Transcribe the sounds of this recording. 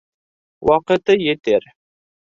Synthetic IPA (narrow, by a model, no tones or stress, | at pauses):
wɑqɤ̆t̪ɤjĕt̪eɾ